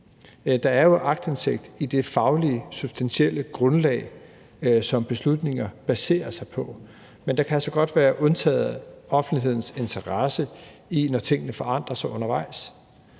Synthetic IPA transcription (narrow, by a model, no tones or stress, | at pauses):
d̥ɑ̈æɐjo̝ʔɑ̈ɡ̥̚d̥e̝nsʰeɡ̥̚d̥id̥e̝fɑ̈ʊlisub̥sd̥ænɕiel̰əɡ̥ʁɔ̽nlɛ̰ːɪ | sɒ̽mb̥e̝slud̥ne̝ŋɐb̥æse̝̰ːɐsɑ̈ɪpʰɒ̽ | mend̥ɑ̈kʰæælsɒɡ̥ɒ̽d̥ʋæːɐʔɔ̽nt͡sʰɛ̰ːð̩ˠɒ̽fn̩liɦe̝ð̞̰ˠn̩se̝nt͡sʰɐʁɑsəinɒt͡sʰe̝ŋ̰ənəfɒ̽ɑ̈n̰d̥ʁɐsɑ̈ɪɔ̽nɐʋɑ̈ɪs